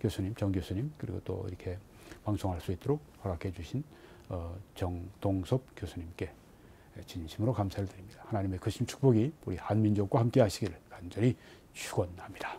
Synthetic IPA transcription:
kjosʰuɲimt͡ɕʌŋɡjosʰuɲimkɯɾḭɡot͈o̰ḭɾʌkʰe̞ | paŋsʰoŋɦaɭs͈uit͈oɾok̚hʌɾakʰe̞d͡ʑuɕʰin | ʌt͡ɕʌŋtoŋsʰop̚kjosʰuɲimk͈e̞ | t͡ɕinɕʰimɯɾokamsʰaɾɯɭtɯɾimɲid̥ahanaɲime̞kɯɕʰimt͡ɕʰu̥k̚p͈ʌɡiuɾihanmind͡ʑok̚kwahamk͈e̞ɦaɕʰiɡiɾɯɭkand͡ʑʌɾi | t͡ɕʰuɡʌnhamɲida

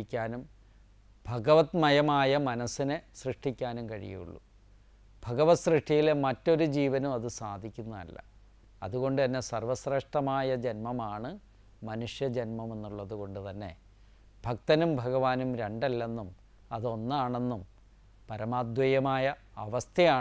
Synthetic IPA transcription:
ikʲːaːnum | bʱɐɡɐʋɐt̪mɐjɐmaːjɐmɐnɐsːinesrɨʂʈikʲːaːnumkɐɻḭj̰jṵɭːṵ | bʱɐɣɐʋɐsrɨʂʈijilemɐtːo̞ɾud͡ʑiːʋɐnumɐðɨsaːd̪ʱikʲːunːɐɐ̰lːɐ̰ | ɐ̰ðuɣo̞ɳɖɨt̪ɐnːe̞sɐrʋɐsreːʂʈɐmaːjɐd͡ʑɐnmɐmaːɳɨ | mɐnuʂjɐd͡ʑɐnmɐme̞nːuɭːɐðuɣo̞ɳɖɨt̪ɐnːe̞̰ | b̥ʱɐkt̪ɐnumbʱɐɣɐʋaːnumɾe̞ɳɖɐlːenːum | ɐðo̞nːaːɳe̞nːum | pɐɾɐmaːd̪ʋɐjɐmaːjɐ | ɐʋɐst̪ʰjɐjaː

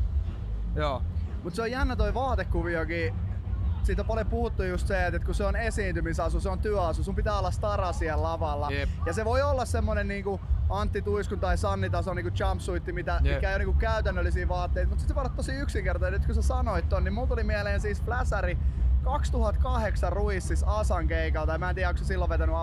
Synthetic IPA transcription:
joːmut̪seojjænːæt̪oiʋɑːt̪ekːuʋiokiː | siːt̪ompɑljopuhut̪ːujust̪seet̪et̪kuseonesiːnt̪ymisɑsuseont̪yœɑsusumpit̪æːolːɑst̪ɑrɑsiellɑʋɑlːɑjɑseʋoiolːɑssemːonenniːŋkuɑnt̪ːit̪uiskunt̪ɑisɑnːit̪ɑsoniːŋkut͡ʃɑmpsuit̪ːimit̪æmikæijoniːŋkukkæyt̪ænːølːisiːʋɑːt̪ːeit̪mut̪sit̪sʋoolːɑt̪tosiyksiŋkert̪ɑenyt̪kusesɑnoit̪t̪ːonnimuːt̪ulimiɛleːnsiːsflæsærikɑkst̪uhɑt̪kɑheksɑrruisːisɑsɑŋkeikɑlt̪ɑjmæːnt̪iːæoksesilːoʋʋet̪ænyɑ

